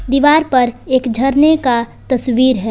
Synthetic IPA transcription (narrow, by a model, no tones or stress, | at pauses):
d̪iːʋaːɾpɐɾeːkd͡ʒʱɐɾnekat̪ɐsʋiːɾɦɛː